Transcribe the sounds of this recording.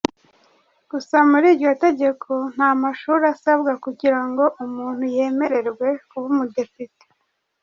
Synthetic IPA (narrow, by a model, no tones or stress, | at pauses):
ɡ̥usamuɾiːɾɟo̞te̞ɟe̞kʰo̞n̥haːmaʃuːɾasabɡakuɟiɾaŋɡo̞ʔumuːn̥huje̞ːme̞ɾe̞ɾɡwe̞kuβumudipite̥